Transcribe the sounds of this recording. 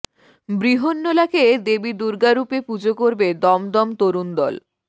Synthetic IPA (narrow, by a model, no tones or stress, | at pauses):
bɾiɦonːolaked̪ebid̪uɾɡaɾupepud͡ʑokoɾbed̪ɔmd̪ɔmt̪oɾund̪ɔl